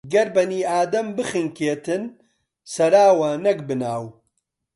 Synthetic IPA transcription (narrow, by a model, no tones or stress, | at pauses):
ɡɐɾbɐniːaːd̪ɐmbɨxɨŋkeːt̪ɨn | sɐɾaːwɐnɐk̚bɨnaːw